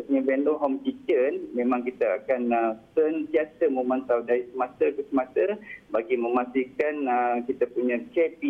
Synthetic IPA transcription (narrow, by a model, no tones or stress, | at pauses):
puɲãbɛndoɦɔmkit͡ʃənmẽmãŋkit̪aa̰kanəsənt̪iasəməmãnt̪audaɾisəmat̪akəsəmãt̪əbaɡimə̃mast̪ikanəkit̪apuɲãkɛpi